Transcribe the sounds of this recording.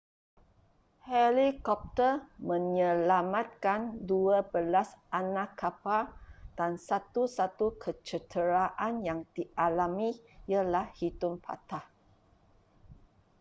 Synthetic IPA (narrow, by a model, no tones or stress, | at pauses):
hɛlikɔp̚t̪əmə̃ɲəlamat̪̚kanduabəlasʔanakʰːapard̥ansat̪usat̪ukʰət͡ʃət̪əɾaʔanjaŋd̥iʔalamĩjalahhit̪ʊmpʰa̰t̪ah